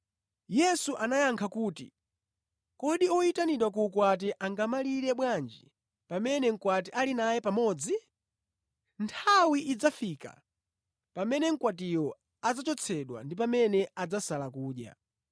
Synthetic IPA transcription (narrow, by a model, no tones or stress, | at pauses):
jɛsuʔanajaŋkʰakuːtḭ | kɔɗiɔitaniɗwak̬uːkwat̬ɛʔaŋɡamaliɾɛɓwand͡ʒi | pamɛnɛŋ̩kwat̬ialinajɛpamɔd͡zi | ntʰawiʔid͡zafika̰ | pamɛnɛŋ̩kwatijɔ | ad͡zat͡ʃɔt͡sʰɛɗwa̰ndip̬amɛnɛad͡zasalakuːɗja̰